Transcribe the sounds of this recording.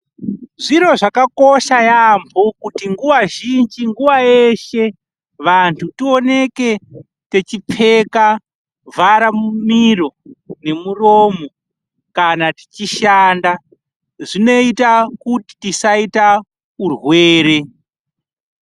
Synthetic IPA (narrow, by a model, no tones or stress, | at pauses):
ʐiɾo̞ʐakako̞ʃajambʰokutiŋɡuʋaʒind͡ʒiŋɡuʋaeʃe̞ | ʋantʰutio̞ne̞ke̞ | te̞t͡ʃip͡fe̞ka | vʱaɾamumiro̞ne̞muroːmo̞ | kanati̥t͡ʃiʃanda | ʐino̞itakuti̥tisaita | urwe̞ːɾe̞